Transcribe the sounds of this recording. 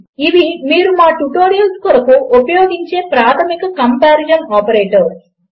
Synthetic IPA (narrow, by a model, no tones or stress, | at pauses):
iʋimiːɾumaːʈuʈoːɾijɐlskɔɾɐkuupɐjoːɡiɲt͡ʃe̞ːpɾaːt̪ʰɐmikɐkɐmpaːɾid͡ʒɐnaːpɐɾeːʈɐɾ